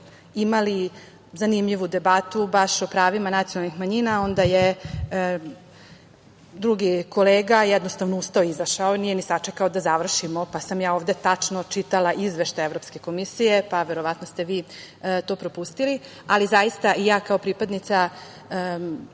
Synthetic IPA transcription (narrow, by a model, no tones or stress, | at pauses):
imali | zanimʎiʋud̪e̞bat̪ubaʃo̞pɾaːʋimanat̪ijonalnixmaɲinao̞nd̪aje | d̪ɾuɡiko̞leːɡajɛd̪no̞st̪aʋnoust̪aoizaʃaoniːjenisat͡ʂekaod̪azaʋr̩ʃimo̞pasamjaːo̞ːʋd̪e̞t̪at͡ʂnot͡ʂit̪alaʔizʋeʃt̪ajevɾo̞pske̞ko̞misije̞paʋe̞ɾo̞ʋat̪nost̪e̞ʋiː | t̪o̞ːpɾo̞pust̪ili | alizajist̪aijaːkaopɾipad̪nit̪sa